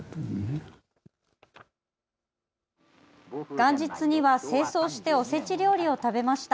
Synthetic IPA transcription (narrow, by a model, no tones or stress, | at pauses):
ɡ̥ãɲ̟d͡ʑit͡sɨɲ̟iβase̞ːso̞ːɕi̥t̪e̞o̞se̞t͡ɕiɾʲo̞ːɾʲio̞t̪abe̞maɕi̥t̪a